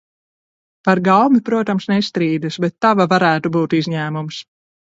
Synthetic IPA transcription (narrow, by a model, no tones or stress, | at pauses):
paɾɡawmipɾuɔt̪amsnɛst̪ɾiːd̪asbɛt̪ːavavaɾæːt̪ubuːt̪izɲæːmums